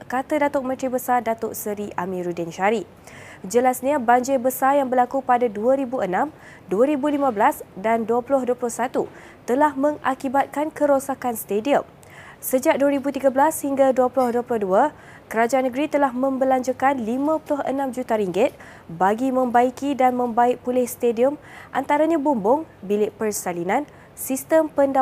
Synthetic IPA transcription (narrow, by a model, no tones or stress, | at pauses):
kat̪adat̪ʊʔ̚mə̃nt̪ɾibəsardat̪ʊʔsəɾiʔamĩɾudɪnʃaɾi | d͡ʒəlasɲabaɲd͡ʒɪbəsarjaŋbərlakupadaduəɾibuənãm | duəɾibulimãblasdanduəpulʊɦduəpulʊhsat̪u | t̪əlahmə̃ŋakibat̪̚kankəɾosakanst̪ediəm | səd͡ʒak̚duaɾibut̪iɡabəlashiŋɡaduəpulʊhduəpulʊhdua | kəɾad͡ʒaanəɡɾit̪əlahmə̃mbəlaɲd͡ʒukanlimãpulʊɦənãmd͡ʒut̪aɾiŋɡɪt̪̚ | baɡimə̃mbaikidanmə̃mbaɪʔ̚pulɪhst̪ediəmʔant̪aɾaɲãbumbʊŋbilɪʔpərsalinãn | sist̪əmpənda